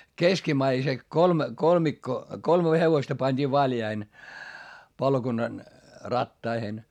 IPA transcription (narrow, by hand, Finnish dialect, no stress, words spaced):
keskimæise kolme kolmikːo kolme heʋostɑ pɑnʲd̥iː ʋɑljɑih̆ĕn̆ pɑlokunːɑn rɑtːɑihen